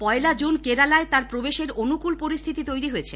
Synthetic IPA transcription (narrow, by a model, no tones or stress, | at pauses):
pɔelad͡ʑunkeɾalaet̪aɾpɾobeʃeɾonukulpoɾist̪ʰit̪it̪ojɾiɦojet͡ɕʰe